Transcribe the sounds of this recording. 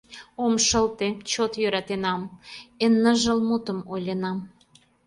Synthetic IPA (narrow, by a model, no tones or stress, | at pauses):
omʃəlt̪et͡ɕot̪jøɾɑt̪enɑmenːəʒəlmut̪əmolʲenɑm